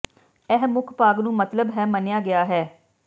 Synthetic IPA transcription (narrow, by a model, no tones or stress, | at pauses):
ɛːɦmʊkʰpaːɡnũːmət̪ləbɦɛːmənjaːɡɪjaːɦɛː